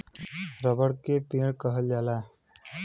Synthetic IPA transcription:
ɾəbəɽkeʈiɽkəɦəld͡ʒala

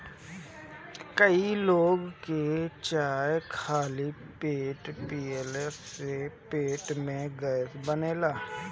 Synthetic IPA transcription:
kəiloːɡket͡ʃaːjkʰaːli | peːʈpiːɛːlɛsepeːʈmẽɡəsbəneːlaː

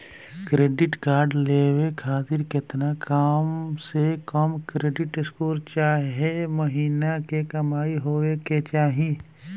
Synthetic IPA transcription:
kɾeːɖɪʈkaːɾɖleːwekʰaːt̪ɪɾkɪt̪nakaːmsekəmkɾeːɖɪʈɪskoːɾt͡ʃaːɦeməɦiːnakekɐmaːiɦoːweket͡ʃaːɦĩ

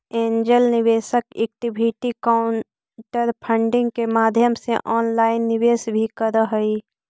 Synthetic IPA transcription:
ẽːɲd͡ʒəlnɪʋeːʃəkḛːk̚ʈɪbʱiʈikaʊɳ | ʈəɾpʰə̃ɳɖɪ̃ŋɡkemaːd̪ʱjəmseʔɔːnlaːɪnːɪʋeːsbʱikəɾəɦəi

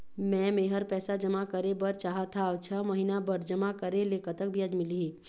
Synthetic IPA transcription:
mɛ̃ːmeːɦəɾpɛːsad͡ʒɐmakəɾebɐɾt͡ʃaːɦat̪ʰat͡ʃʰəmɐɦinabəɾd͡ʒɐmakəɾeleːkət̪əkbʱiad͡ʒmɪliɦɛː

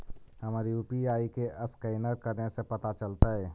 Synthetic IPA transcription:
həmaːɾiupiaːikeʔəskəɪnəɾkəɾnesepət̪at͡ʃəlt̪aɦɛ

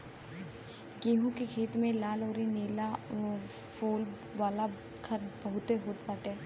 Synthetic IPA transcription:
ɡeːɦũkekʰeːt̪mẽlaːloːɾineːla | foːl | ʋaːla | kʰɐɾbɐɦʊt̪eɦoːt̪̚paːʈ̪eɛː

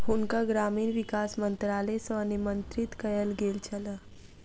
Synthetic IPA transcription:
ɦʊnkaɡɾaːmiːnʋɪkaːsmə̃nt̪ɾaːlesənimə̃nt̪ɾɪt̪kɐjəlɡeːlt͡ʃɐla

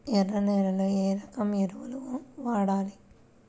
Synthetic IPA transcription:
ɛrːɐneːlɐloːeːɾɐkɐmeɾuʋɐluʋɐmʋaːɽaːli

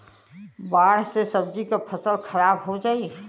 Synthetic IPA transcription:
baɽsesəbd͡ʒikapʰəsəlkʰəɾabɦod͡ʒaːi

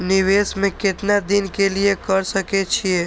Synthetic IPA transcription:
niʋesmekeʈnad̪inkeliekəɾsəkɛt͡ʃʰije

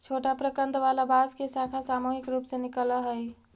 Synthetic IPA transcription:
t͡ʃʰoʈapɾəkə̃nd̪ʋalabaskesakʰasamuɦɪkɾuːpsenɪkələɦəi

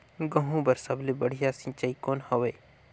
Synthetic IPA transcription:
ɡəɦũbəɾsɐblebəɽ̤ijasĩt͡ʃəikoːnhɐʋeː

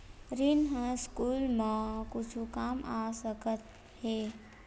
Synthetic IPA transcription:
ɾinɦə̃skuːlmãkʊt͡ʃʰukaːmaːsəkət̪̚ | heː

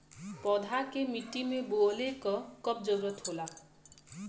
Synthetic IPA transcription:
pɔd̪ʱakemiʈimeboɔlekɔkɔp̚d͡ʒɔwɾɔt̪ɦola

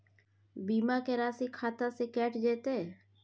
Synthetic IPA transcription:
biːmakeɾaːsikʰaːt̪asekɛːʈd͡ʒeːt̪e

